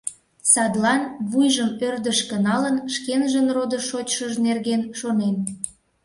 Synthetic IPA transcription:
sɑd̪lɑnβujʒəmørd̪əʃkənɑlənʃkenʒənrod̪əʃot͡ɕʃəʒnerɣenʃonen

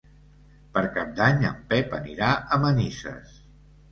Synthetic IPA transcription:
pəɾkap̚d̪aɲə̰mpɛpə̰niɾaʔəmənisə̰s

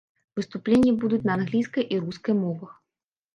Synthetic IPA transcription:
vɨst̪uplʲenʲːɐbud̪ut͡sʲnɐːnɣlʲijskɐjʔiɾuskɐjmɔvɐx

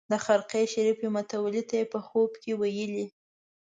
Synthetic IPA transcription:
d̪əxaɾqeʃaɾifemʊt̪awalit̪ajepəxobkewajəli

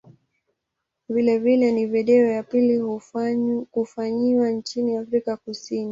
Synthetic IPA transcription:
vilɛvilɛnivɛɗɛɔjapilihu | kufaɲiwant͡ʃiniafɾikakusini

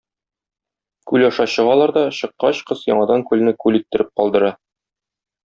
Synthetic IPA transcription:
kʉlɒʃɑɕɤ̆ʁɑlˠɑɾd̪ɒɕɤ̆qːɑɕqɤsjɒ̰ɴɑd̪ɑŋkʉlnɘkʉlit̪ːɘ̆ɾɘp̚qɒlˠd̪ɤ̆ɾɑ

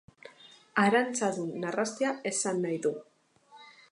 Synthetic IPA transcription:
aɾant͡saðunːarast̪eae̞sanːajðu

